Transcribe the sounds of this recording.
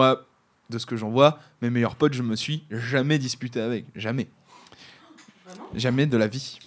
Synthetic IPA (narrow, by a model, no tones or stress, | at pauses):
a | d̪əsə̥kəʒɑ̃vwamemejœʁpɔt̪ʒəməsɥiʒamɛd̪ispyt̪̬eavɛkʒamɛ | ʒamɛd̪əlavi